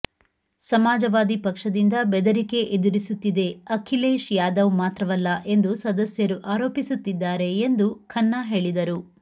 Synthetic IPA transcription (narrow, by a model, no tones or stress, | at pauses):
sɐmaːd͡ʒɐʋaːd̪ipɐkʂɐd̪ind̪ɐbɛd̪ɐɾike̞ʔed̪uɾisut̪ːid̪e̞ɐkʰileːʃjaːd̪ɐʋmaːt̪ɾɐʋɐlːɐʔe̞nd̪usɐd̪ɐsjɐɾuʔaːɾoːpisut̪ːid̪ːaːɾe̞ːnd̪ukʰɐnːaɦe̞ːɭid̪ɐɾu